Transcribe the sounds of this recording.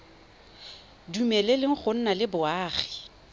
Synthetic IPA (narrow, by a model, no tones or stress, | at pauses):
dumɛlelɪŋ̩χʊn̩nalɪbʊaːχi̥